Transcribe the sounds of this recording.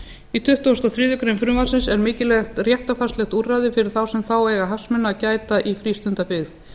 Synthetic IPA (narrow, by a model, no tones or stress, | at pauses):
it̪ʰʏht̪uast̪awθɾiːðʏkɾemfɾʏvasɪnsɛɾmɪːcɪlɛxt̪rjɛht̪afarst̪lɛxt̪uːrajðɪfɪɾɪɾ̥θawsɛmθawɛɣaɦasmɪnacaːjt̪aʔifɾiːst̪ʏnt̪apɪθ